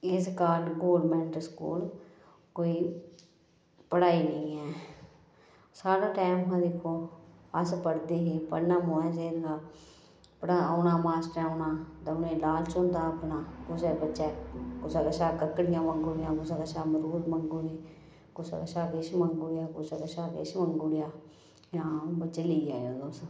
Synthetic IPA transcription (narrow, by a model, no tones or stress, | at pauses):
ɪskaːɖɡoːlmɛ̃ːɳʈəskṵːl | koːiː | pəɽaːiːnəĩːɛː | saːɽãːʈaːmɦãːd̪ekʰoːəspəɽd̪eːɦeːpəɽnãːmoːɛ̃ːs̬eːɾɡaː | pəɽaoːnãːmaːsʈɛːonaːd̪ənẽːlaːlt͡ʃõnd̪ãːəpnaːkʊsɛbətːʃɛːkʊsaɡəʃaːkəkːəɽɪjãːməŋɡʊɽɪjãːkʊsaɡəʃaːməɾuːɾməŋɡoɽeː | kʊsa̰kəʃaːkeʃməŋɡʊɽjaːkʊseɡəʃaːkḛʃməŋɡʊɽɪjaː | jãːbət͡ʃeːliːjaːoːd̪oːs